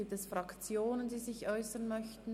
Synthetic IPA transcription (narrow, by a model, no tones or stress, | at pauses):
iːp̚tɛsfʁɑkt͡sjoːnəndiːzɪçʔɔʏsənmœçtn̩